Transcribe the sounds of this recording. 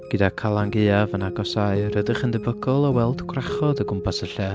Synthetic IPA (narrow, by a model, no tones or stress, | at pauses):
ɡ̥ədakʰalˠaŋɡɪavənaɡɔsaɨɾədɪχəndɛbəɡɔlˠɔwɛlˠdɡʰwraχɔðəɡʊmpʰasəɬɛ